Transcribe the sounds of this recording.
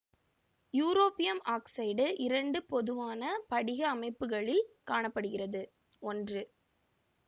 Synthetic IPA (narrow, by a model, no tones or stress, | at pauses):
juːɾoːpɪjɐmaːksɐɪɖɯʔɪɾɐɳɖɯpɔðɯʋaːnɐpɐɽɪɣɐːmɐɪpːɯɣɐɭɪlkaːɳɐpːɐɽɯɣɪrɐðɯ | ɔndrɯ